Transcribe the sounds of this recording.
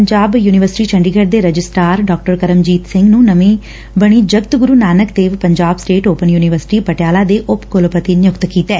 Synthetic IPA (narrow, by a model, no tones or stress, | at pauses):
əɲd͡ʒaːbjuːnɪʋəɾsɪ̥ʈiːt͡ʃʰəɳɖiːɡəɖd̪eːɾəd͡ʒɪsʈaːɾɖɔːk̚ʈəɾkəɾəmd͡ʒiːt̪sɪ̃ŋɡnũːnəmẽː | bəɽ̃iːd͡ʒəɡt̪ɡʊɾuːnaːnəkd̪eːʋpəɲd͡ʒaːbsʈeːʈoːpənjuːnɪʋəɾsɪ̥ʈiːpəʈjaːlaːd̪eːʔʊpkʊlpət̪injʊkt̪kiːt̪ɛː